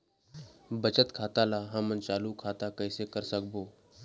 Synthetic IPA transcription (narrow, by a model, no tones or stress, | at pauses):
bət͡ʃət̪kʰaːt̪alaɦɐmənt͡ʃaːlukʰaːt̪akɛɪsekəɾsək̚boː